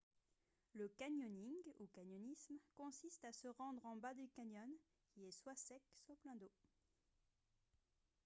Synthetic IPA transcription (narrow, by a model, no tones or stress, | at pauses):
ləkaɲɔniŋɡukaɲɔnismkɔ̃sist̪asəʁɑ̃d̪ʁɑ̃bad̪ykaɲɔn | kʲiɛswasɛkswaplɛ̃d̪o